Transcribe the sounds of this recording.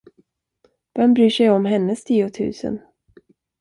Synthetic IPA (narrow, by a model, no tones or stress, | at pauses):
vɛnbɾyːʂɛjɔmɦɛnːəst̪ʰiːʊt̪ʰʉ̟̰ːsə̰n